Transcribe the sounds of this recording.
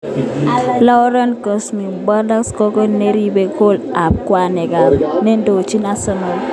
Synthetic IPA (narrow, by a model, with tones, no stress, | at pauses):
lɔ˦ɾɔ˦nko˨smi˨ba˦da˦kskɔ˦kɔ˦ne˦ɾi˦be˦ko˦la˨p̚kwa˦nɛ˨ɡa˨ɾne˦ndo˨t͡ʃi˦na˦sɔ˦na˨l